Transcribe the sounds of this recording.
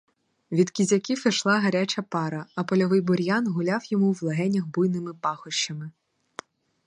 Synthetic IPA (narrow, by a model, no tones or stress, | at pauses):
ʋʲid̪kʲizʲɐkʲifɪʃlˠɑɦɐɾʲat͡ʃɐpɑɾɐɐpɔlʲɔʋɪjbɔɾʲjɑnɦʊlʲɑwjɔmuwlˠɐɦɛnʲɐxbujnɪmɪpɑxɔʃt͡ʃːɐmɪ